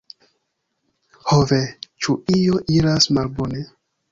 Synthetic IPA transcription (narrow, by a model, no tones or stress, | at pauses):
hovet͡ʃuijoʔiɾasmalbone